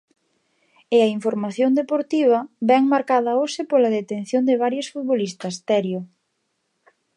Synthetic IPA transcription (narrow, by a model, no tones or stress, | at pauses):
ɪɐiɱfoɾmaθjond̪epoɾt̪iβ̞ɐbɛŋmaɾkaðɐosɪpolɐðet̪en̟θjond̪eβaɾjosfut̪̚βolist̪ɐst̪ɛɾjo